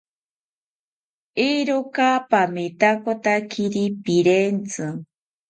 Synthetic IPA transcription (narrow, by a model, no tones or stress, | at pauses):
iɾokapamit̪akot̪akʰiɾipiɾent͡sɨ